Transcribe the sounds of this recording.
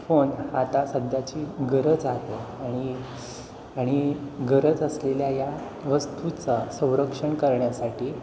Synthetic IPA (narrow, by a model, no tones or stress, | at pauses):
fonat̪asəd̪ʱjat͡ɕiːɡəɾəd͡zat̪eaɽ̃i | aɽ̃iɡəɾəd͡zəsleljaja | ʋəst̪ut͡sasə̃w̃ɾəkʂəɳkəɾɳjasaʈʰiː